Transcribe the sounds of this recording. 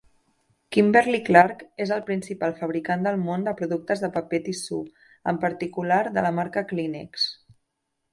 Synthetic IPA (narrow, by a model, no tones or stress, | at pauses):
kimbɛɾliklaɾkezəlˠpɾinsipalˠfəβ̞ɾikand̪əlˠmond̪əpɾuðuk̚t̪əzðəpəpet̪isu | əmpəɾt̪ikulaɾðələmaɾkəklinḭks